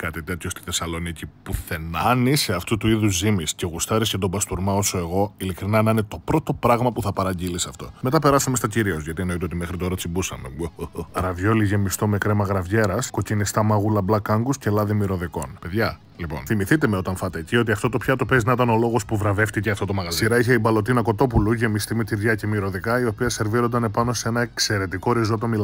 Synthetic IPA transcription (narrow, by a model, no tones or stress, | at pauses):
kɐt̪it̪e̞t̪ʰçost̪i̥θe̞sɐlo̞nicipuθe̞nɐniseɐft̪ut̪uiðuzimisce̞ɣust̪ɐɾiscɐt̪o̞bɐst̪uɾmɐo̞so̞e̞ɣo̞ilikɾinɐnɐnet̪o̞pɾo̞t̪o̞pɾɐɣmɐpuθɐpɐɾɐɲɟilisɐft̪o̞̰me̞t̪ɐpe̞ɾɐsɐme̞st̪ɐciɾiozʝɐt̪ie̞no̞it̪eot̪̬ime̞xɾit̪o̞ɾɐt͡sibusɐ̰meoɾɐvʝo̞liʝe̞mist̪o̞me̞kɾemɐɣɾɐvʝe̞ɾɐsko̞cinist̪ɐmɐɣulɐblɐkɐŋɡusce̞lɐðimiɾo̞ðiko̞̰npe̞ðʝɐ | lipo̞̰nθimiθit̪e̞meo̞t̪ɐnfɐt̪ecio̞t̪iɐft̪o̞t̪o̞pçɐt̪o̞peznɐit̪ɐno̞lo̞ɣo̞spuvɾɐve̞ft̪iceɐft̪ot̪o̞mɐɣɐziɾɐiçeibɐlot̪̬inɐko̞t̪o̞puluʝe̞mist̪imet̪iɾðʝɐce̞miɾo̞ðikɐio̞piɐse̞ɾviɾond̪ɐne̞pɐno̞see̞nɐekse̞ɾe̞t̪iko̞ɾizo̞t̪omil